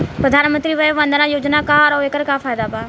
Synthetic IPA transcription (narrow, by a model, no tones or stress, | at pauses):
pɾəd̪ʱaːnmə̃nt̪ɾiʋɐjʋɐ̃nd̪ʱnãjoːd͡ʒnakaɔɾɔekəɾkafaːjd̪abʱaː